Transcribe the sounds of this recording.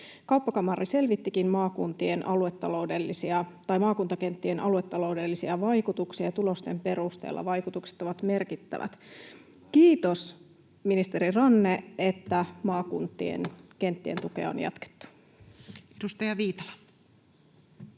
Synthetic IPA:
kɑwpːɑkɑmɑrːise̞lʋit̪ːikinmɑːkunt̪ie̞nʔɑluet̪ːɑlo̞ude̞lːisiɑt̪ɑjmɑːkunt̪ɑke̞nt̪ːie̞nʔɑluwe̞t̪ːɑlo̞ude̞lːisiɑʋɑjkut̪uksiɑɑt̪ulo̞st̪e̞mpe̞ɾust̪ḛːlːɑ̰ʋɑjkut̪ukse̥t̪o̞ʋɑt̪me̞rkit̪ːæ̰ʋæ̰t̪ | k̟iːt̪o̞s | minist̪eɾirɑnːe̞et̪ːæmɑːkunt̪ːḭḛnke̞nt̪ːie̞nt̪ukḛɑo̰njɑ̰t̪ke̥t̪ːu̥ | edust̪ɑjɑʋiːt̪ɑ̥lɑ

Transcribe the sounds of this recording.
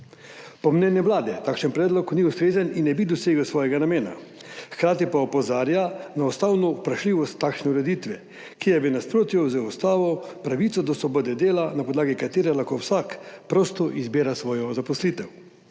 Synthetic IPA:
pɔmnɛnjɛʋlaːd̪ɛt̪aːkʃənpɾɛːd̪lɔkniust̪ɾeːzəninːɛbid̪ɔseːɡəwsʋɔːjɛɡanameːna̰ | xkɾaːt̪ipaɔpɔzaːɾjanaɔst̪aːwnɔpɾaʃliːʋɔst̪ːaːkʃnɛuɾɛd̪iːt̪ʋɛ | kijɛʋɛnaspɾoːt̪jɔzɛɔst̪aːʋɔpɾaʋit̪sɔd̪ɔsʋɔbɔːd̪ɛd̪eːlanapɔd̪laːɡikat̪eːɾɛlaxkowsaːkpɾɔst̪ɔʔizbeːɾasʋɔːjɔzapɔsliːt̪ɛw

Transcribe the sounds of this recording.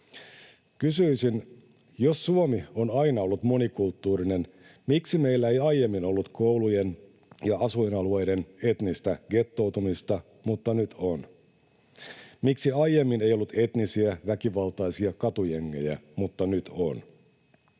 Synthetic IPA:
kysyisin | jo̞sːuomio̞nɑinɑo̞lːut̪mo̞nikult̪ːuːɾine̞n | miksime̞jlːæe̞jɑjːe̞mːino̞lːut̪ko̞wluje̞n | jɑɑsuinɑlue̞jde̞ne̞t̪nist̪æɡ̥e̞t̪ːo̞wt̪umist̪ɑ | mut̪ːɑnyt̪ʰo̞n | miksiɑjje̞mːinejo̞lːut̪ʰe̞t̪nisiæʋækiʋɑlt̪ɑjsiɑkɑt̪ujeŋːe̞̰jæ̰mut̪ːɑnyt̪ʰo̞̰n

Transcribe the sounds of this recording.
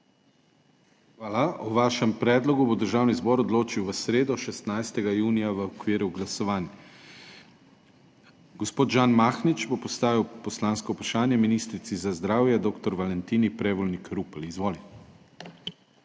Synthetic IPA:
xʋaːlaɔʋaʃɛmpɾɛːd̪lɔɡubod̪əɾʒaːwnizbɔːɾɔd̪loːt͡ʃiwʋəsɾeːd̪ɔʃɛst̪najst̪ɛɡajuːnijaʋəɔkʋiːɾuɡlasɔʋaːnjɛ | ɡɔspoːt̪ʒaːnmaːxnit͡ʃbopɔst̪aːʋiwpɔslanskɔupɾaʃaːnjɛminist̪ɾit̪sizazd̪ɾaːwjɛd̪oːkt̪ɔɾʋalɛnt̪iːnipɾɛʋɔlnikɾuplizʋoːlit̪ɛ

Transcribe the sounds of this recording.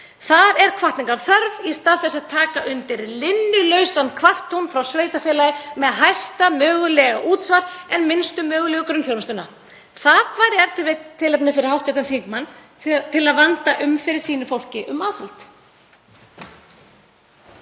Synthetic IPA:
θaðɛɾ̥kʰvaht̪nɪŋkaɾ̥θœɾvist̪aːðθɛsːaðt̪ʰaːkaʔʏnt̪ɪɾlɪnːʏlœɥsankʰvaht̪ownfɾawsveːjt̪afɛːlajɪmɛðɦajst̪amœːɣʏlɛɣaʔuːt̪svaɾɛnmɪnst̪ʏmœːɣʏlɛɣʏkɾʏnθjowɾst̪ʏna̰ | θaðkʰvaːjɾɪɛɾt̪vɪt̪ʰːɪlɛpnɪfɪɾɪɾ̥hawht̪ɛkt̪anθiŋkmanː | t̪ʰɪlaðvant̪aʔʏmfɪɾɪɾ̥siːnɪfowl̥cɪʔʏmaːðhalt̪

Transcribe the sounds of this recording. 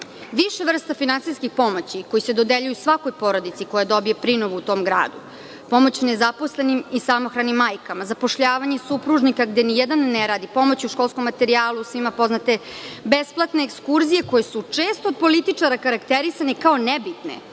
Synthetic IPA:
ʋiʃeʋr̩st̪afinantsijskixpo̞mo̞t͡ɕiko̞jised̪o̞d̪eʎujusʋako̞jpo̞ɾod̪it̪siko̞jad̪o̞bijepɾinoʋuut̪o̞ːmɡɾa̰ːd̪u | po̞mo̞t͡ɕne̞zapo̞sle̞nimisamoxɾanimːajkamazapo̞ʃʎaːʋaɲesupɾuʒnikaɡd̪enijed̪anːeɾaːd̪ipo̞mo̞t͡ɕiuʃko̞lˠsko̞mːat̪eɾiaːlˠusʋimapo̞znat̪e̞besplˠat̪ne̞ːkskuɾzije̞ko̞jesut͡ʂeːst̪ood̪̚po̞lit̪it͡ʂaɾakaɾakt̪eɾisanekao̞nebit̪nḛ

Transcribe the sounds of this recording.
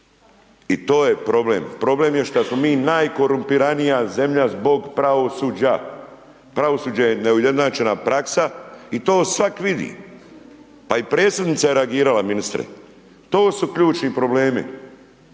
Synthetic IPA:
it̪o̞ːjepɾo̞blḛːmpɾo̞ble̞mjeʃt̪asmomiːnaːjko̞ɾumpiɾanijaze̞mʎazbo̞ɡpɾaʋo̞suːd͡ʑa | pɾaʋo̞suːd͡ʑajeneujed̪naːt͡ʃe̞napɾaksait̪o̞ːsʋakʋid̪ḭ | paipɾe̞ːt̪sed̪nit̪sajeɾeaɡiːɾalaminist̪ɾḛ | t̪o̞ːsukʎuːt͡ʃnipɾo̞ble̞ːmḭ

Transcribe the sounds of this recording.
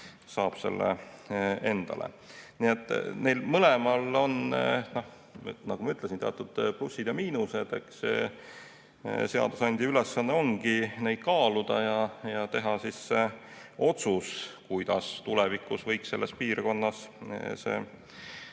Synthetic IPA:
sɑːb̥se̞̰lːḛ | e̞nd̪̥ɑ̰lḛ | nie̞t̪ːˑnejlmɤlemɑlo̞nno̞h | nɑɡ̥umɑyt̪lesint̪eɑt̪ːˑud̪̥plusːid̪̥jɑmiːnuse̞d̪̥e̞̰ks | se̞ɑ̰d̪̥usɑnʲd̪̥ʲiylesːɑnːeo̞ŋɡine̞jd̪̥̚kɑːlud̪̥ɑjɑjɑt̪e̞ɦɑsiseo̞t̪suskujd̪̥ɑst̪ulɛvikːˑusvɤjkse̞lːespiːrko̞nːɑsse̞̰ː

